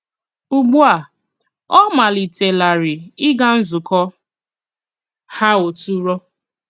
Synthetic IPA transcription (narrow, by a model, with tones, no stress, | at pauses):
u˨ɡ͡bu˦a˨ | ɔ˦ma˨li˨te˨la˨ɾɪ˨ɪ˦ɡa˦n̩˦zʊ˨kɔ˦ | ha˦o˨tu˦ɾɔ˦